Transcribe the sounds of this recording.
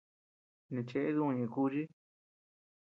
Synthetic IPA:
nĩ˧t͡ʃe˧ʔe˦ðũ˦˧ɲã˨ku˦ʒi˦

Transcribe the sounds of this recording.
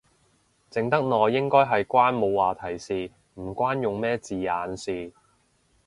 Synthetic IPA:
t͡sɪ˨˧ŋt̪ɐ˥k̚nɔː˨˧jɪ˥ŋkɔː˥jɦɐ˨jkʷaː˥nmo˨˧wwaː˨t̪ʰɐ˨˩jsiː˨ | m̩˨˩kʷaː˥njʊ˨ŋmɛː˥t͡siː˨aː˨˧nsiː˨˩

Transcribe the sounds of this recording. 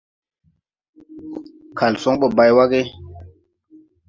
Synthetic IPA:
kʰa˨lsɔ˦ŋɓɔ˨ba˨jwa˦ɡe˦

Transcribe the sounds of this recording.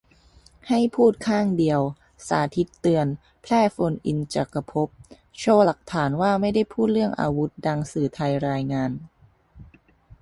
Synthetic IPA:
ha˥˩jpʰuː˥˩t̪̚kʰaː˥˩ŋdi˧əw | sa̰ː˩˦t̪ʰi˦˥t̪ːɯ˧ən | pʰlɛː˥˩fo˧nʔi˧nt͡ɕa̰ː˨˩ka˧pʰo˦˥p̚ | t͡ɕʰoː˥˩la˨˩k̚t̪ʰaː˩˦nwaː˥˩ma˥˩jda˥˩jpʰuː˥˩t̪̚ɾɯ˥˩əŋʔa̰ː˧wu˦˥t̪̚da˧ŋsɯː˨˩t̪ʰa˧jɾaː˧jŋaː˧n

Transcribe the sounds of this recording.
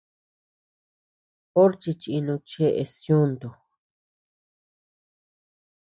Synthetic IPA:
o˦ɾt͡ʃi˧t͡ʃi˧i˧nũ˧t͡ʃe˦ʔe˧sjũ˦nd̪o˨

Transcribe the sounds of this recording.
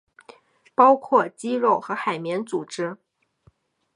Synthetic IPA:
pɑ˥ʊkʰwɔ˥˩t͡ɕi˥ɻo˥˩ʊxɤ˧˥xa˨˩ɪmjɛ˧˥nt͡su˨˩ʈ͡ʂɻ̩˥

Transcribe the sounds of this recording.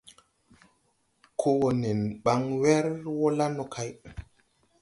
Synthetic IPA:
kʰo˦wo˨ne˨nɓa˨˦ŋwɛ˦ɾwo˦la˦no˨kʰa˦j

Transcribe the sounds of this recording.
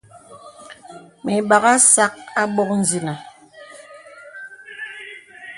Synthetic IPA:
me˨ɓa˨ɣa˦sa˦k̚a˦ɓɔ˦k̚n̩˦zi˨na˨

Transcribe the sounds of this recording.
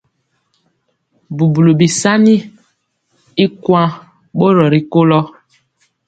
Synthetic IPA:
bu˨bu˨lo˨bi˨sa˦ni˦ | i˦kwã˦ | ɓo˦ɾɔ˨ɾi˨ko˦lɔ˦

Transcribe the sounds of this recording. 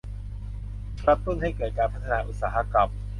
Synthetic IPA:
kɾa˦˥t̪ːu˥˩nɦa˥˩jkɤː˨˩t̪̚kaː˧npʰa˦˥t̪ʰːa˧naː˧ʔu˨˩t̪saː˩˦ɦa˦˧˥ka˨˩m

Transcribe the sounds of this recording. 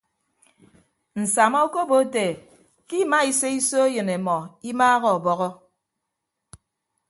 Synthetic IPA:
n̩˨sa˨mɔ˦o˦ko˦bo˦te˨ | ki˦ma˦i˨se˦i˦so˦e˦jɨ˨ne˨mɔ˨i˦maː˦ɣɔ˦˨ɔ˨bɔ˨ɣɔ˦

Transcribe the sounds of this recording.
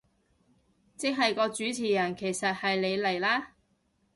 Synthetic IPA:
t͡sɪ˥k̚ɦɐ˨jkɔː˧t͡ʃyː˨˥t͡sʰiː˨˩jɐ˨˩nkʰe˨˩jsɐ˨t̚hɐ˨jle˨˧jle˨˩jlaː˥

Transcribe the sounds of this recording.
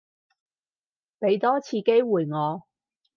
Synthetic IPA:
pe˨˧jt̪ɔː˥t͡sʰiː˧ke˥jwuː˨˩jŋɔː˨˧

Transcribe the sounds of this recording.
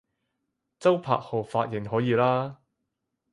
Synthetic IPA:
t͡sɐ˥wpʰa̰ː˧˨k̚ho˨˩faː˧t̚jɪ˨˩ŋɦɔː˨˥jiː˨˧laː˥

